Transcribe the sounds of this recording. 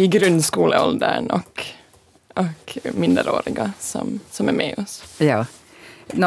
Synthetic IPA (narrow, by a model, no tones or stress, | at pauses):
ɪɡɾʉnskuːləɔld̪əɳɔk | ʔɔkmɪnd̪əɾo̰ːɾɪɡɑsɔ̰msɔmæɾmɛːɔsjɑː | n